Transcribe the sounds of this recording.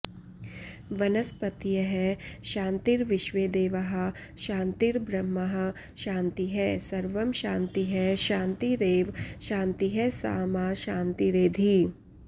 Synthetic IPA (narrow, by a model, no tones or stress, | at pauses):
ʋɐnɐspɐt̪jɐɦɛʃãːnt̪iːɾʋɪʃʋeːd̪eːʋɐɦə̆ | ʃãːnt̪iɾbɾɐmːɐɦə̆ | ʃãːnt̪iɦɛsɐɾʋɐmʃãːnt̪iɦɛʃãːnt̪iɾeːʋʃãːnt̪iɦɛsa̰ːmaːʃãːnt̪iɾeːd̪ʱi